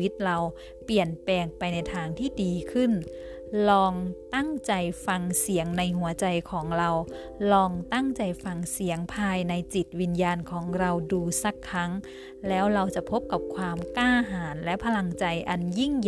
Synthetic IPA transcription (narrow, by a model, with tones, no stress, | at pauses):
i˦˥t̪̚ɾa˧w | pi˨˩ənpɛː˧ŋpa˧jna˧jt̪ʰaː˧ŋt̪ʰiː˥˩diː˧kʰɯ˥˩n | lɔː˧ŋt̪a˥˩ŋt͡ɕa˧jfa˧ŋsi˩˦əŋna˧jɦu˩˦ɐt͡ɕa˧jkʰɔː˩˦ŋɾa˧w | lɔː˧ŋt̪a˥˩ŋt͡ɕa˧jfa˧ŋsi˩˦əŋpʰaː˧jna˧jt͡ɕi˨˩t̪̚wi˧njaː˧nkʰɔː˩˦ŋɾa˧wduː˧sa˧˩kʰːa˦˥ŋ | lɛː˦˥wɾa˧wt͡ɕa˨˩pʰo˦˥p̚ka˨˩p̚kʰwaː˧mkaː˥˩ɦaː˩˦nlɛ˦˥ʔpʰa˧la˧ŋt͡ɕa˧jʔa˧nji˥˩ŋ